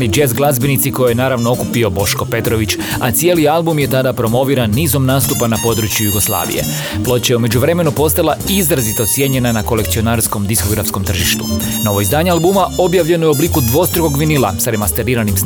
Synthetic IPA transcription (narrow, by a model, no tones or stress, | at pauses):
nid͡ʒezɡlˠazbinit̪siko̞jojenaːɾaʋnoo̞kupio̞bo̞ʃko̞pe̞t̪ɾo̞ʋit͡ɕ | at̪sije̞lialˠbumje̞t̪ad̪apɾo̞mo̞ʋiːɾanːiːzomnaːst̪upanapo̞ːd̪ɾut͡ɕjujuɡo̞slˠa̰ːʋḭje̞̰ | plˠo̞t͡ɕaeume̞d͡ʑuʋɾe̞me̞nupo̞st̪alˠaizɾazit̪o̞t̪sje̞ɲe̞nanako̞le̞kt̪sio̞naːɾsko̞md̪isko̞ɡɾafsko̞mt̪r̩ʒiʃt̪u | no̞ʋo̞izd̪aːɲealˠbumao̞bjaʋʎe̞noobliːkud̪ʋo̞st̪ɾoɡko̞ɡʋinilˠa̰saɾe̞mast̪eɾiːɾanims